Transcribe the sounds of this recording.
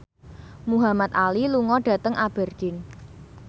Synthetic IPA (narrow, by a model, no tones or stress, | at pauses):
muɦamat̪̚aliluŋɔɖ̥ä̤t̪əŋʔab̥ɛ̤rɡ̥ɪn